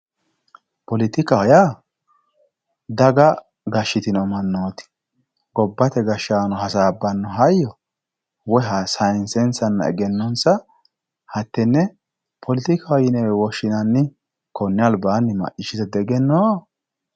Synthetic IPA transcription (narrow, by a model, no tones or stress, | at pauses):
pɔlɪt̪ɪkɐhɔjaː | d̪ɐɡɐ | ɡɐʃːɪt̪ɪnɔmɐnːoːt̪ɪ̥ | ɡɔbːɐt̪ɛɡɐʃːaːnɔɦɐsaːbːɐnːɔɦɐjːɔ | wɔɦɐsɐjnsɛnsɐnːɐ̰ɛ̰ɡɛnːɔnsɐ | hɐt̪ːɛnːɛ | pʰɔlɪt̪ɪkɐhɔjɪnɛwɛwɔʃɪnɐnːɪ | kɔnːɪɐlbaːnːɪmɐ̰ʔɪʃɪt̪ɛd̪ɛɡɛnːoː